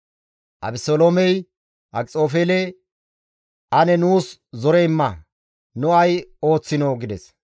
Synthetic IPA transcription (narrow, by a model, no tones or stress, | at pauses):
ʔɐ̰bɪsoːloːmɛj | ʔɐkʼt͡sʼo̞ːfeːlɛ | ʔɐnɛnuːszɔɾɛɪmːɐ | nʊɐjo̞ːt͡sːɪnoːɡɪd̪ɛs